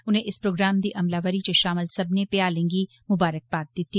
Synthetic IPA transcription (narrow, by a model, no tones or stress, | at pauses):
ʊnɦẽʔɪspɾoːɡɾaːmd̪iʔɐmlaʋəɾit͡ʃeʃaːməlsɐbnepeaːlẽːŋɡi | mʊbaːɾək̚baːt̪̚d̪ɪt̪i